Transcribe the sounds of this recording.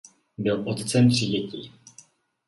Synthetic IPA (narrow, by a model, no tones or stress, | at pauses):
bɪlʔot̪t͡sɛmr̥ɪɟɛcḭː